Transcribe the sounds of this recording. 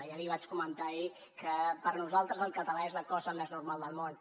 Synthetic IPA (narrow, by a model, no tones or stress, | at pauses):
ialiβat͡ʃkumənt̪ai | kəpəɾnuzalˠt̪ɾəzəlˠkət̪əlaezləkɔzəmeznuɾmalˠd̪əlˠmon